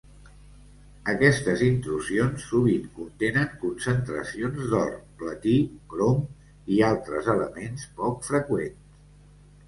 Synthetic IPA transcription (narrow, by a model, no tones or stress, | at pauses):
əkɛst̪əzint̪ɾuzionsːuβiŋkunt̪enəŋkunsənt̪ɾə̰sionzd̪ɔ̰rplət̪ikɾom | ialˠt̪ɾəzələ̰menspɔkfɾəkwens